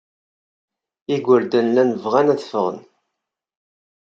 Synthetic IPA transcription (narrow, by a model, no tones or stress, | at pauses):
iɡʷəɾd̪ənlænəvʁænæθəfəʁə̰n